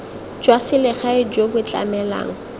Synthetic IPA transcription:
d͡ʒwasɪlɪχaɪd͡ʒobʊt͡ɬʼa̰mɛla̰ːŋ̩

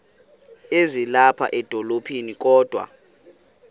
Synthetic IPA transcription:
ezilapʰa̰ʔɛd̥ʱɔlopʰinik̬ʼɔːd̥ʱwa̰

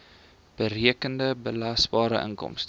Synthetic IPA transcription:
b̥əriəkəndəbəlɐsbɑːɾə̰ʔə̰ŋkɔ̰mst

